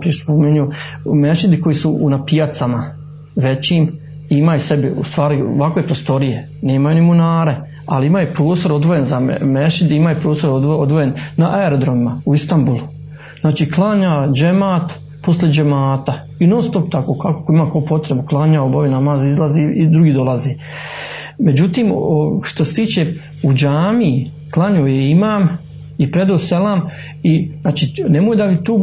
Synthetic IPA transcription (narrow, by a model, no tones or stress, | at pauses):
piʃpomeɲu | meʃid̪iko̞jisuʔːnapijat̪sama | ʋe̞t͡ɕiːm | imajesebiṵst̪ʋaːɾio̰ʋakoepɾost̪o̞ɾije̞ | ne̞ːmajunimunaːɾe̞ | a̰liimajupɾoːst̪o̞ɾod̪ʋojenzameʃid̪imajupɾoːst̪ood̪od̪ʋojenːaʔaeɾod̪ɾoʋimauist̪ambulˠu | znaːt͡ʃiːklˠaːɲaːd͡ʒemaːt̪ | poslʲed͡ʒemaːt̪a | inoːnst̪opt̪akoːkako̥koimaːkaupo̞t̪ɾebuklˠaːɲaːobaʋinamaːzizlˠaziid̪ɾuɡiːd̪o̞lˠazeː | me̞d͡ʑut̪iːmoʃt̪ose̥t̪iːt͡ʃe | ud͡ʒaːmi | klˠaɲoːjeimaːm | ipɾe̞d̪oːselaːm | iznaːt͡ʃiːnemojd̪aʋit̪uː